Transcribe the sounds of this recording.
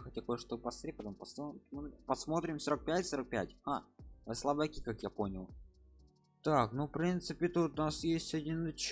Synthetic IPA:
xət̪̚ʲɐkojəʂt̪opɐsɾʲekəd̪əmpɐsmɨpɐsmo̞t̪ɾʲɪmsoɾək̚pʲætʲsoɾək̚pʲæ̰tʲhavɨslˠabəkʲikakjapo̞nʲɪlˠ | t̪aknufpɾʲint̪sɨpʲɪt̪ut̪ʊnasjesʲtʲɐdʲinːɨt͡ɕ

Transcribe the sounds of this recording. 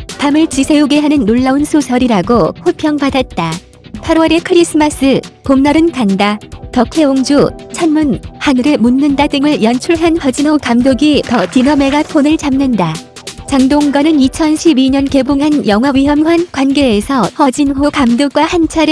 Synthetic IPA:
pamɯɭt͡ɕisʰe̞uɡe̞ɦanɯnːoɭːaunsʰusʰʌɾiɾaɡohopʰjʌŋpadat̚t͈a | pʰaɾwʌɾe̞kʰɯɾis͈ɯmas͈ɯpomnʌɾɯnkandatʌkʰe̞oŋd͡ʑut͡ɕʰanmunhanɯɾe̞munːɯndadɯŋɯɭjʌnt͡ɕʰuɭɦanhʌd͡ʑinɦokamdoɡitʌtinʌme̞ɡapʰonɯɭt͡ɕamnɯnda | t͡ɕaŋdoŋɡʌnɯnit͡ɕʰʌnɕʰibiɲʌnke̞buŋɦanjʌŋɦwawɥiɦʌmɸwankwanɡe̞ːsʰʌhʌd͡ʑinɦokamdok̚k͈wahant͡ɕʰaɾe

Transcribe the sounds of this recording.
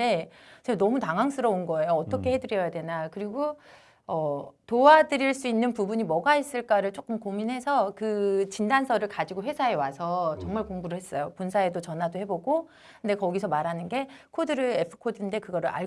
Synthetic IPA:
e̞ | t͡ɕʰenʌmutaŋɦaŋs͈ɯɾʌunɡʌejoʌt͈ʌkʰe̞he̞dɯɾjʌjade̞nakɯɾiɡo | ʌtowadɯɾiɭs͈uinːɯnpubuɲimʌɡais͈ɯɭk͈aɾɯɭt͡ɕ͈ok͈ɯmkominɦe̞sʰʌkɯt͡ɕindansʰʌɾɯɭkad͡ʑiɡoɸwesʰae̞wasʰʌt͡ɕʌŋmaɭkoŋbuɾɯɭɦe̞s͈ʌjopunsʰae̞dot͡ɕʌnɦadohe̞boɡo | kɯnde̞kʌɡisʰʌmaɾɦanɯnɡe̞kʰodɯɾɯepʰɯ̥kʰodinde̞kɯɡʌɾɯɭʔa̰ɭ

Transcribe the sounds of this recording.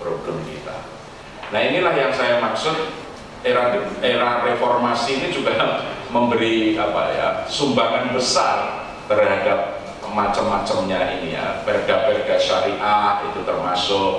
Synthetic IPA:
pɾoɡamkḭt̪a̰ | nainilahjaŋsajamaksʊt̪̚ | eɾaeɾarefɔrmasinid͡ʒuɡaməmbəɾiapa̰ja̰sumbaŋanbəsar | t̪ərɦadap̚ | mat͡ʃəmːat͡ʃəmɲainija̰pɛrɡ̥apɛrɡaʃaɾiʔatit̪ut̪ərmasʊk̚

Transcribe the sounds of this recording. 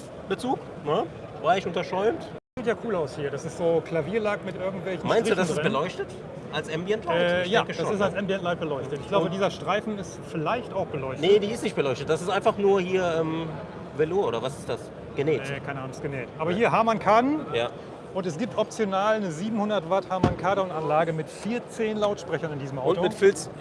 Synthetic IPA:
b̥ət͡suːk | nə | vaːɪçʊntɐʃɔʏmtd̥asz̥iːtjaːkʰuːlaʊshiːɐɾasɪstz̥oːkl̥aviːɐlaːkmɪtʔɪɐɡŋ̩tv̥ɛlçn̩maɪnʁ̥ɪduːdasɪsɛbəlɔʏçtət | ʔalsʔɛmbjɛntʰlaɪɛːjaːkəʃdasɪstalsʔɛmbjɛntlaɪt̚b̥əlɔʏçtətʔɪçɡ̥laʊbədiːzɐʃtʁ̥aɪfn̩ɪstfɪlaɪçtaʊxb̥əlɔʏçtnədiːɪstnɪçt̚b̥əlɔʏçtət̚d̥asɪstʔaɪnfaχnuːɐhiːɐʔɛːm | veloːʔoːdɐvasɪ̥std̥as | ɡ̥ənɛːtːkʰaɪnəʔaːnʊŋsɡ̥ənɛːtʔaːbɐhiːɐɦaɐmankʰaːdn̩jaː | ʔʊntɛs̬ɡ̥iːp̚tʔɔp̚t͡sjonaːlnəziːbm̩hʊndɐtvathaɐmankʰaːdʊnanlaːɡəmɪtfiːɐt͡seːnlaʊtʃpʁ̥ɛçɐnɪndiːzəmʔaʊntomɪtfɪlt͡s

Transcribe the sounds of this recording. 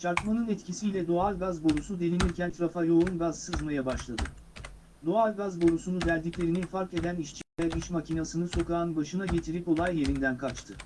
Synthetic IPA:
t͡ʃʰaɾkmˠanɯnɛt̪cʰisijlʲɛd̪o̞alʲˠɡazbo̞ɾusud̪e̞niniɾcʰænt̪ʰɾafajo̞unɡazsɯzmajabaʃlˠad̪ɯ | d̪o̞alʲˠɡazbo̞ɾusunud̪æɾʲd̪icʲlʲe̞ɾininfaɾke̞d̪æniʃt͡ʃʰiajabiʃmacʰinasɯnɯso̞kaːnbaʃɯnaɟe̞t̪ʰiɾipo̞lˠajːe̞ɾind̪ænkʰat͡ʃt̪ʰɯ

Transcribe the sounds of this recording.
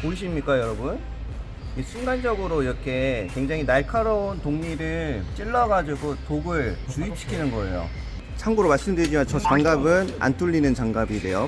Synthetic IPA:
poɕ̬ʰimɲik͈ajʌɾʌbun | is͈ʰuŋɡand͡ʑʌɡɯɾoiɾʌkʰe̞kwe̞ŋd͡ʑaŋinaɭkʰaɾʌontoŋɲiɾɯɭt͡ɕ͈iɭːʌɡad͡ʑiɡotoɡɯɭt͡ɕuip̚ɕʰi̥kʰinɯnɡʌḛjo̰ | t͡ɕʰaŋɡoɾomaɭs͈ɯmdɯɾid͡ʑimant͡ɕʌt͡ɕaŋɡabɯna̰ntʰuʎːinɯnt͡ɕaŋɡabide̞jo

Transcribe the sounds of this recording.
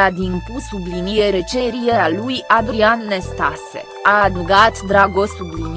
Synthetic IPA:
ad̪impusublinije̞ɾe̞t͡ʃe̞ɾiealujad̪ɾianːe̞st̪asḛ | ad̪uɡat̪d̪ɾaɡo̞sublin

